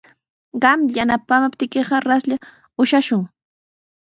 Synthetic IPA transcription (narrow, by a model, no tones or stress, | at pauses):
ɢɑmʎjanapapt̪ɪkeɢɑɾasʎa | ʊʃaʃʊŋ